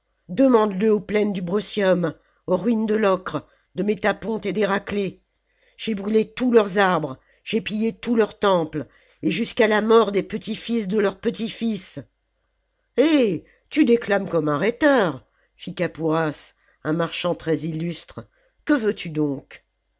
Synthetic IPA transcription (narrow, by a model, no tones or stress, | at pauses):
d̪əmɑ̃d̪ləoplɛnd̪ybʁɔsjɔm | oʁɥind̪əlɔkχ | d̪əmet̪apɔ̃t̪ed̪eʁakle | ʒ̥ebʁylet̪ulœʁzaʁbʁ | ʒ̥epijet̪ulœʁt̪ɑ̃pl | eʒyskalamɔʁd̪epət̪ifisd̪əlœʁpət̪ifis | e | t̪yd̪eklamkɔmɛ̃ʁɛt̪œʁ | fikapuʁas | ɛ̃maʁʃɑ̃t̪χɛzilyst̪χ | kəvøt̪ʰyd̪ɔ̃k